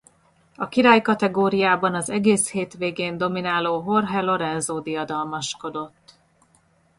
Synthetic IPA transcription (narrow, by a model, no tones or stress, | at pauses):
ɒkiɾaːjkɒt̪ɛɡoːɾijaːbɒnɒzɛɡeːsheːt̪ʋeːɡeːnd̪o̞minaːloːɦo̞rɦɛlo̞ɾɛnzoːd̪iɒd̪ɒlmɒʃko̞d̪o̞t̪ː